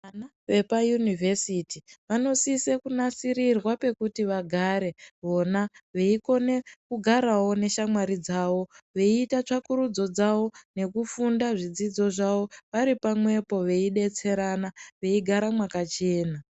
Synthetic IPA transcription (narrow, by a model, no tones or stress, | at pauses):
ana | ʋe̞pajunivʱesitiʋano̞sisekunasiɾirwape̞kutiʋaɡʱaɾe̞ʋo̞naʋe̞iko̞ne̞kuɡʱaɾawo̞ne̞ʃamwaɾid͡zaːwo̞ʋe̞iːtat͡ʂakuɾud͡zo̞d͡zawo̞ne̞kufundaʐid͡zid͡zo̞ʐawo̞ʋaɾipamwe̞po̞ʋe̞iɗe̞t͡se̞ɾanaʋe̞iɡʱaɾamwakat͡ʃe̞ːna